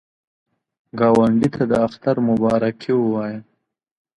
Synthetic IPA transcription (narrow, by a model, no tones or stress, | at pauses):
ɡɑwaɳɖit̪ʰad̪əaxt̪aɾmʊbɑːɾakʰiwəwɑja